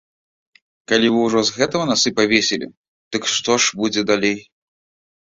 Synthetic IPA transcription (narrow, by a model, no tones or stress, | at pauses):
kalʲivɨwʐɔzɣɛt̪ɐɣɐnasɨpavʲesʲelʲḭ | d̪̥ɨkʂt̪ɔʂbud͡zʲɛd̪alʲej